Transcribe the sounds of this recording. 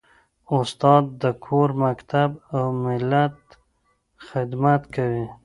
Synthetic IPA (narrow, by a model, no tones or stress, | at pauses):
ʊst̪ɑd̪ːəkʰoɾmakt̪ʰabawmɪlat̪ | xɪd̪mat̪kʰawi